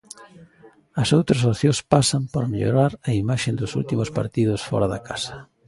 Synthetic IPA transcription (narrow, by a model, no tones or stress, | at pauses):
ɐsowt̪ɾɐsoθjõspasɐmpaɾmeʎo̰ɾaɾɐimaʃend̪ʊsṵlt̪imʊspa̰ɾt̪iðʊsfɔ̰ɾaðɐkasɐ̥